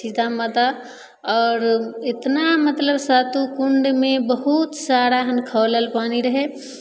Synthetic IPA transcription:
sid̪ʱamət̪a | ɔːɾɪt̪namət̪ləbsat̪ukuɳɖmebəɦut̪saɾaɦənkʰələlpaniɾəɦe

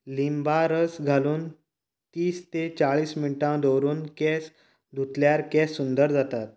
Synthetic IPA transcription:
limbaɾəsɡʱaluːn | t̪iːst̪et͡ɕaɭiːsmiʈãd̪owɾuːnkɛs | d̪ʱut̪ljaɾkɛsːund̪əɾd͡zat̪at̪̚

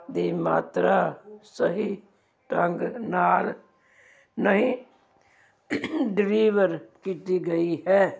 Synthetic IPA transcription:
d̪imaːt̪ɾasəɦi | ʈə̃ŋɡnaːl | nəɦĩ | ɖɾiːʋəɾkit̪iɡəiɦɛː

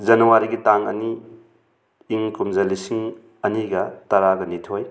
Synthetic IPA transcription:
zɐnɐwaɾiɡitaŋɐ̰ni | ŋkumzɐlisiŋ | ɐniɡɐtɐɾaɡɐnitʰoj

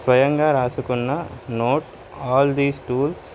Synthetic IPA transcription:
sʋɐjɐŋɡaːɾaːsukunːɐnoːʈ | ɔːld̪iːsʈuːls

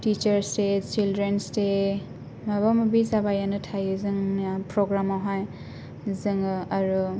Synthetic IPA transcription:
tit͡ʃəɾstet͡ʃildɾenste | maβamɯbizabajanɯtʰajɯzɯŋapɾɔɡɾamawɦaj | zɯŋɯaɾu

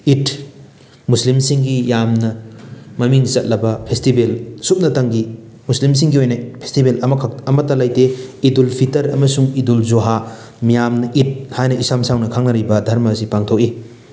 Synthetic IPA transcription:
it | muslimsiŋɡijamnɐmɐmiŋt͡ʃɐt̚lɐbɐpʰestibelsup̚nɐtɐŋɡi | muslims̬iŋɡiojnajpʰe̥stibelɐmkʰɐmɐtːɐlajteidulpʰitɐɾɐmɐsuŋidulzoɦa | mijamnɐʔit̚hajnɐisamsawnɐkʰaŋnɐɾibɐdʱɐɾmɐːsipaŋtʰok̚i

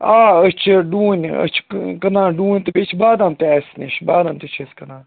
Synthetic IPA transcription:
aːət͡ʃʰɖũːnʲə̰t͡ʃʰkɐnãːɖũːnʲt̪ɨpet͡ʃʰbaːd̪amt̪eɛsniʃbaːd̪amt̪et͡ʃʰeskɐnãːn

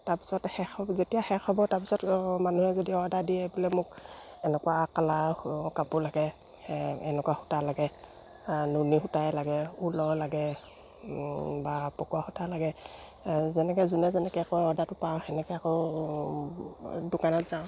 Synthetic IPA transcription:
taɹpi̥sɔthɛxɔzetijaxɛxɔbɔtaɹpi̥sɔtmanuhɛzodiɔdadiɛbʊlɛmʊkɛnɛkuwakalakapulaɡɛ | ɛnɛkuwaxutalaɡɛ | nunixutajlaɡɛulɔlaɡɛ | bapɔkuaxutalaɡɛ | zɛnɛkɛzunɛzɛnɛkɛakɔɔdatʊpawxɛnɛkɛakɔ | dʊkanɔtz̥aʊ̃

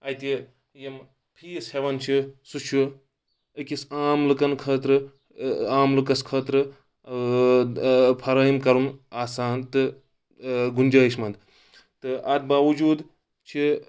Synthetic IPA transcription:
ɐjt̪i | jem | pʰiːisheʋɐnt͡ʃʰisut͡ʃʰu | əkisaːmlɨkɐnkʰɐːt̪ɾɨ | aːmlɨkɐskʰɐːt̪ɾɨ | pʰɐɾɐimkɐɾunaːsaːnt̪ɨ | ɡunʲd͡ʒɐːiʃmɐnd̪ | t̪ɨɐd̪̚baːʋud͡ʒuːd̪ | t͡ʃʰi

